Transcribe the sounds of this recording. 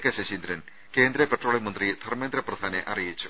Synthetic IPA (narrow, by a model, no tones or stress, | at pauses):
kːɐɕɐɕind̪ɾɐn | ke̞ːnd̪ɾɐpeʈro̞ːɭemɐnd̪rid̪ʰʱɐrme̞nd̪ɾɐprɐd̪ʱaːnḛʔɐ̰rijit͡ɕːu